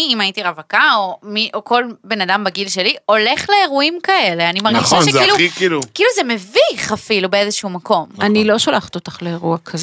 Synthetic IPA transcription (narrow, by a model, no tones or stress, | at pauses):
imait̪iʁavakaomiʔoko̞lbe̞nadambaɡilʃe̞lio̞le̞χle̞ːʁuimkae̞leanimaʁnɡiʃaʃeiluikiːlukiːluzemeviχafilubeezeʃumako̞manilo̞ʃalaχt̪ot̪ḁχleːʁuakʰaz